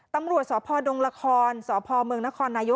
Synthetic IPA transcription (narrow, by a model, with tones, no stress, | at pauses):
t̪a˧mɾu˨˩ət̪̚sɔː˩˦pʰɔː˧do˧ŋɾa˧kʰɔː˧nsɔː˩˦pʰɔː˧mɯ˧əŋna˦˥kʰɔː˧nːaː˧jo˦˥